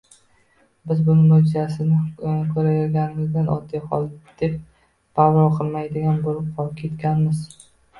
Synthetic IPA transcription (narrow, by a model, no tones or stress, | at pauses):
bɪzbʊnɪmːod͡ʒɪzasɪnɪkʰɵɾajɒɾɡʲanɪŋʲɪzd̪anʔɒ̰d̪ijhɒ̰lˠd̪̥e̞p̚ | bawɾɒqʰɨlˠmajd̪ɪɡʲanboɾɪp̚qʰɒɾkʲʰe̞t̪kʲanmɪz